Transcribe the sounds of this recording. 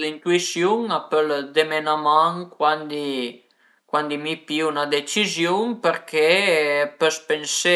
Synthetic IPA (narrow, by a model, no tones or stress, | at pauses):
d̪int̪uisjuŋapəld̪emenamaŋkwand̪i | kwand̪imipiunad̪et͡ʃizjuŋpəɾkʰepøspense